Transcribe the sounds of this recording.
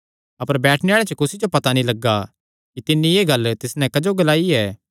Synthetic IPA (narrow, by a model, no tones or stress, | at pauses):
ɐpəɾbɛːʈʰneaːɭet͡ʃɐkʊsid͡ʒopɐt̪anĩlɐɡːa | kit̪ɪnːĩjeːɡɐlt̪ɪsnɛ̃kɐd͡ʒoɡɐlaːiɛː